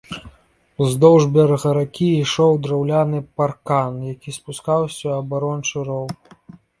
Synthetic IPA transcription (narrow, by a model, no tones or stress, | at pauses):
uzd̪ɔwʐbʲɛɾɐɣɐɾakʲiiʂɔwd̪ɾawlʲanɨparkanjakʲispuskawsʲɐɐbaɾɔnt͡ʂɨɾɔwk